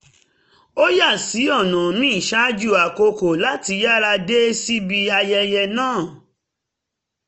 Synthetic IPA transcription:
o˦ja˦˨si˨˦ɔ˦˨nã˨nĩ˦i˦˨ʃa˦d͡ʒu˦˨a˨ko˧ko˨la˨˦ti˧ja˦ɾa˧de˦si˦bi˧a˧jɛ˧jɛ˧nãː˦˨

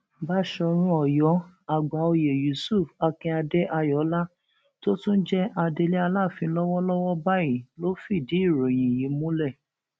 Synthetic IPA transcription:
ba˦ʃɔ˧ɾ̃ũ˧˦ɔ˨jɔ˨˦a˨ɡ͡ba˨˦o˧je˨ju˨su˦˨fa˧kĩ˧a˧dɛ˦ʔa˧jɔ˨˦la˦ | to˦tũ˦d͡ʒɛ˦ʔa˧de˧le˦a˧la˦˨fĩ˧lɔ˦wɔ˦lɔ˦wɔ˦ba˦ji˨lo˦fi˦˨di˨˦i˦˨ɾo˨j̃ĩ˨ji˨˦mũ˦lɛ˦˨

